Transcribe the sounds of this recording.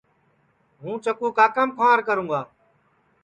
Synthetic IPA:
ɦũːt͡ʃəkuːkaːkəmkʰãːɾkəɾũːɡaː

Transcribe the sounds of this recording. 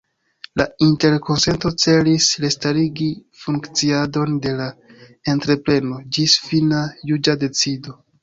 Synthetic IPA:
lainte̞ɾkʰo̞nse̞nto̞t͡se̞lisɾestaɾiɡifuŋkt͡siado̞nde̞lae̞ntɾe̞pɾe̞no̞d͡ʒisfinajud͡ʒade̞t͡sido̞

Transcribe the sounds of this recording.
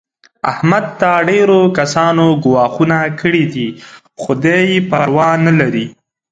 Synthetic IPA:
ahmad̪̚t̪aɖeɾokasɑnoɡʊwɑxunakəɽid̪i | xʊd̪ajpaɾwɑnalaɾi

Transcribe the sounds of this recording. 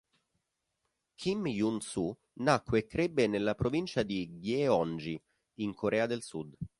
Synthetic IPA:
kʰimjunsu | nakːwekːɾebːenelːapɾovint͡ʃad̪iɡeɔnd͡ʒi | iŋkʰoɾɛːad̪elsud̪

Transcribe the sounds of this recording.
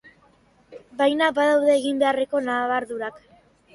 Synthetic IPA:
bajnabaðawðe̞ːɣimbe̞are̞ko̞naːβaɾðuɾak

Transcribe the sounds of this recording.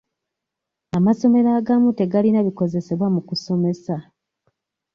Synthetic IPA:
amaso̞me̞ɾaɡamute̞ɡalinaβiko̞ze̞se̞βwamukuso̞me̞sa

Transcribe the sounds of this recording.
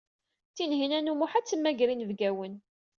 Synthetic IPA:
θinɦinænumuħat͡sːəmːæɡɾinəvɡæwən

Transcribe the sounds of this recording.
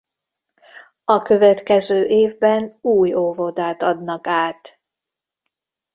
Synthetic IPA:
ɒkø̞vɛt̪kɛzøːʔeːvbɛnuːjovod̪aːt̪ɒd̪nɒkaːt̪

